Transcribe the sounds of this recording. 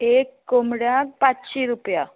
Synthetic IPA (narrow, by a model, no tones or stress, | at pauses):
ekːomɽjãk̚patɕiɾupja